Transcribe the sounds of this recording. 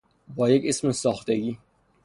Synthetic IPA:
bɒːjecesmesɒːxt̪eɡiː

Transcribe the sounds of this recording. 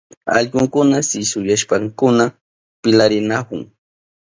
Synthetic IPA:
ɑ̰ʎɢʊŋkʊnasɪsʊjaʃpaŋkʊna | pɪlaɾɪnakʊŋ

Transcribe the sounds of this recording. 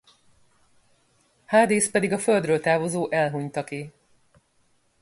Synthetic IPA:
haːd̪iːspɛd̪iɡɒføld̪røːlt̪aːvo̞zoːʔɛlɦuɲt̪ɒki

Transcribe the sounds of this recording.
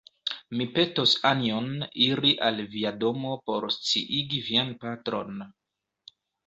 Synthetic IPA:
mipe̞tosanioniɾiʔalviado̞mo̞po̞ɾst͡sḭʔiɡivianpatɾo̞̰n

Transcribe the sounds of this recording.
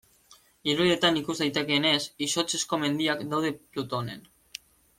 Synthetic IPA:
iɾuie̞t̪anikuzd̪ajt̪e̞ke̞ːne̞siso̞t͡se̞sko̞me̞nd̪iakd̪awðe̞plut̪one̞̰n

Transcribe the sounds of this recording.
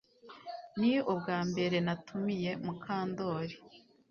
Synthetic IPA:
niob̚ɡaːmbe̞ɾe̞natʰumije̞mukʰaːndo̞ːɾi

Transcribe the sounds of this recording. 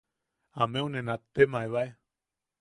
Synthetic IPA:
amẽõnẽnãt̪emãʔeβae

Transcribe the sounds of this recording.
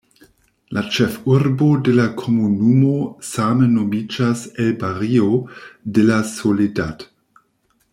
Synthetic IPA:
lat͡ʃefuɾbodelakʰomunumosamenomid͡ʒaselbaɾiodelasolidat

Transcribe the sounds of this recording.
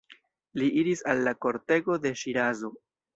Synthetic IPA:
liʔiɾisalːako̞ɾte̞ɡo̞de̞ʃiɾazo̞

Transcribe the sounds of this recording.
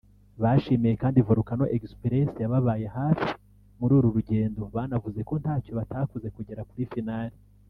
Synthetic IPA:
βaʃimijekaːndivuɾukano̞ʔekspiɾesjaβaβaːjehaːfi̥ | muɾuːɾuɾuɟe̞ːndo̞βanavuze̞ko̞n̥haːco̞βatakuze̞kuɟe̞ɾakuɾifinaːɾi

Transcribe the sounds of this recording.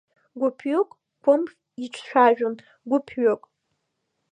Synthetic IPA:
ɡʷʊpʰɥokʼ | kʷʰʊmχ | iʈ͡ʂʷʰʃʷᶣaʒᶣon | ɡʷʊpʰɥokʼ

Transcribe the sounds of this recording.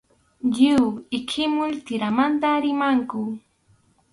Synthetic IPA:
ʎɪwɪkʰɪmʊlt̪ɪɾamant̪aɾɪmaŋkʊ

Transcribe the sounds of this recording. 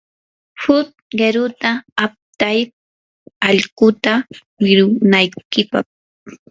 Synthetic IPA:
hʊt̪̚ɢeɾʊt̪aːp̚t̪aj | aʎkʊt̪awɪɾʊnajkɪpa̰χ

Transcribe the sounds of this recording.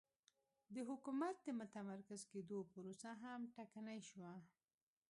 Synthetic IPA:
d̪əɦʊkumat̪̚d̪əmʊt̪amaɾkazked̪opəɾosaɦamʈakanajʃwa

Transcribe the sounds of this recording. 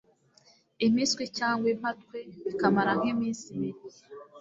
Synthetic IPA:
imiːskwicaːŋɡwem̥hatkweβikamaɾaŋ̥emiːnsimiɾi

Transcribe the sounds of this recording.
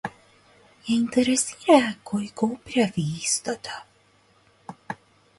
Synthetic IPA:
ɛĩnt̪eɾesiɾɐkojkowpɾʲavist̪ɐt̪ʰa

